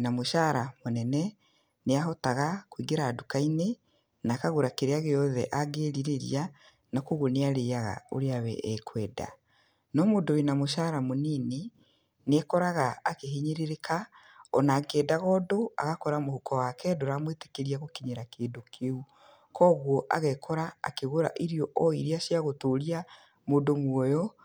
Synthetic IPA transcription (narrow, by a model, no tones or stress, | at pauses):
namoʃaɾamonɛnɛ | neaɦɔtaɣakwiɡeɾaːdukaine | nakaɣoɾakeɾeaɣeɔðɛ̰ʔaɡeːɾiɾeɾḭa | nakoɣoneaɾejaɣa̰o̰ɾeawɛ̰ʔɛkʰwɛda̰ | nɔmoːdowenamoʃaːɾamonine | nɛkɔɾaɣaːkeɦeɲeɾeɾekʰa | ɔnaːɡɛːdaɣɔdoa̰ɣakɔɾamohukɔwakɛdoɾamwete̥keɾiaɣokiɲeɾakeːndokʰeu | kɔɣwɔʔa̰ɣɛkʰɔɾa̰ːkeɣoɾa̰ʔiɾiɔʔɔiɾiaʃiaɣotoɾia | moːndomwɔjɔ